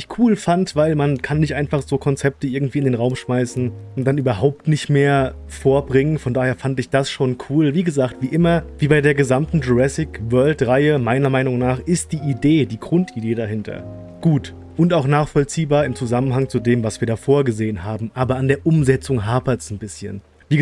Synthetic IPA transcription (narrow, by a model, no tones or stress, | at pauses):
ɪçkʰuːlfantv̥aɪlmankʰanːɪçtʔaɪnfaχz̥oːkʰɔnt͡sɛp̚təʔɪɐɡŋ̩tv̥iːɪndeːnʁaʊmʃmaɪsn̩ʊntd̥anyːbɐɦaʊp̚tnɪçtmeːɐ | foːɐbʁɪŋənfɔndaːheːɐfantɪçd̥asʃoːnkʰuːlviːɡəzaːk̚tv̥iːʔɪmɐviːbaɪdeːɐɡəzamtn̩duɛsɪkvœɐltʁaɪəmaɪnɐmaɪnʊŋnaːχɪst̚d̥iːʔideːdiːɡʁʊntʔideːɾaɦɪntʰɐ̰ | ɡ̥uːt | ʔʊntaʊxnaːχfɔlt͡siːbaːɐɪmt͡suzamənɦaŋt͡sudeːmvasv̥iːɐɾaːfoːɐɡəzeːənɦaːbm̩ʔaːbɐandeːɐʔʊmzɛt͡sʊŋɦaːpɐtsn̩bɪsçə̰n | viːə